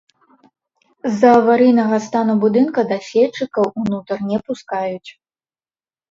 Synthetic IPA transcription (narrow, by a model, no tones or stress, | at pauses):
zːɐːvaɾɨjnɐɣɐst̪anubud̪ɨnkɐd̪ɐsʲɛt͡ʂːɨkɐwunut̪ɐrnʲɛpuskajut͡sʲ